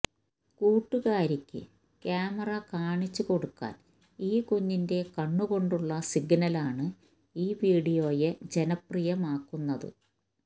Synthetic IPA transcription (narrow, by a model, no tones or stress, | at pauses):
kuːʈːuɣaːɾikʲːɨ̰ | kjaːmɐrɐkaːɳit͡ɕːuko̞ɽukːa̰ːn | iːkuɲːinde̞kɐɳːuɣo̞ɳɖuɭːɐsiɡnɐlaːɳɨ | iːʋiːɽijo̞ːjed͡ʑe̞nɐprijɐmaːkːunːɐðɨ̰